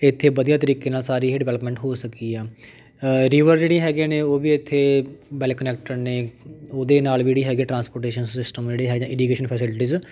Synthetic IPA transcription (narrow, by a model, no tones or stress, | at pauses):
ɪt̪ʰːeːbəd̪ijaːt̪əɾiːkeːnaːlsaːɾiːɦeːɖɪʋɛːləpmɛ̃ːɳʈɦoːsəkiːɛː | ɾiːʋəɾd͡ʒeːɽiːɦɛːɡeːneːoːbiːɪt̪ʰːeːbɛːlkːənɛːk̚ʈəɾneːoːd̪eːnaːlʋiːd͡ʒeːɽiːɦɛːɡeːʈɾãːnspoːɾʈeːʃənsɪsʈəmd͡ʒeːɽeːɦɛːɡd͡ʒãːɪɖiːkeːʃənpʰɛːsɪlʈiːz